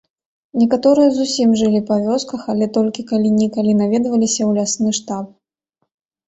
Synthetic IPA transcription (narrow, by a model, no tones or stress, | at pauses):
nʲɛkat̪ɔɾɨjɐzusʲimʐɨlʲipavʲɔskɐxalʲɛt̪ɔlʲkʲikalʲinʲikalʲinavʲɛd̪vɐlʲisʲɐwlʲasnɨʂt̪ap̚